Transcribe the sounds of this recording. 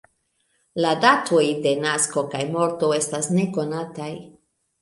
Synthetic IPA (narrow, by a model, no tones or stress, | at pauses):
ladatʰo̞jde̞nasko̞kajmo̞ɾto̞e̞stasne̞ko̞nataj